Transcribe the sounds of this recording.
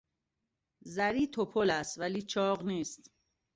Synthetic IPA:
zæɾiːt̪ʰopʰolæst̪væliːt͡ʃʰɒːɣniːst̪

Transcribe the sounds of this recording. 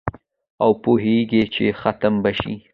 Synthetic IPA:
awpoɦeɡet͡ʃexat̪əmbaʃḭ

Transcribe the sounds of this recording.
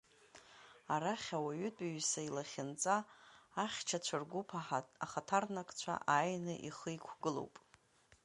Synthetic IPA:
aɾaχʲawaɥʏtʼɥsailaχʲɪnt͡sʼaː | χʲt͡ʃʰat͡ɕʷʰarɡʷupʰaχatʰarnakʼt͡ɕʷʰa̰ʔaːjnɨʔḭχəikʷʰɡɨlo̰wpʼ

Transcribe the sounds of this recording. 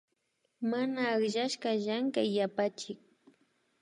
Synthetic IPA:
manaːkʒaʃkaʒaŋkaːapat͡ʃɪk̚

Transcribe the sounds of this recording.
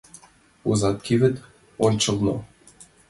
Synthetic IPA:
uzɑt̪̚kʲʰivɘ̆t̪ | onʲt͡ɕɤ̆lˠno

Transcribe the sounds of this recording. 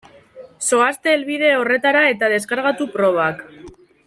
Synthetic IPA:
so̞ast̪e̞ːlβið̞e̞o̞re̞t̪aɾae̞t̪að̞e̞skaɾɣat̪upɾo̞β̞ak

